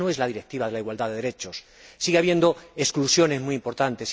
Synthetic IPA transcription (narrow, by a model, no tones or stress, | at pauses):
oe̞zlað̞iɾek̚t̪iβaðe̞laiɣwald̪aðe̞ðe̞ɾe̞t͡ʃosː | iɣeaβje̞nd̪o̞esklusjo̞ne̞zmuiimpo̞ɾt̪ant̪e̞s